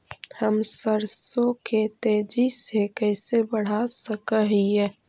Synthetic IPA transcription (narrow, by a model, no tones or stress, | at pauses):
həmsəɾsõket̪eːd͡ʒisekɛːsebəɽ̤asəkəɦiɛː